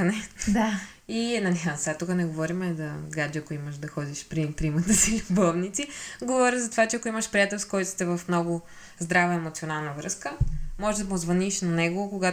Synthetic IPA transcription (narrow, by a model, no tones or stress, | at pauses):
ɐnɛd̪a | iɛd̪nad̪ʲinsat̪ukənɛɡovɔɾimɛd̪ɐɡad͡ʒɛɐkʊiməʃd̪ɐxɔd̪iʃpɾimpɾimɐt̪əsilʲʊbɔvnit̪siɡovɔɾʲjəzɐt̪ovat͡ʃɛɐkʊiməʃpɾijat̪ɛlˠst̪kɔjt̪ʊ̥st̪ɛvɐfmnɔɡʊ | zd̪ɾavəɛmot̪sionalˠnəvɾɤskəmɔʒɛd̪ɐmʊzvɐniʃnɐnɛɡokoɡa